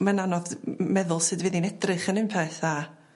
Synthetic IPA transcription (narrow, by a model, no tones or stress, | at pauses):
mananɔðmɛðʊlˠsɨdvɨːðinɛdrɨχənɨnpʰɛθa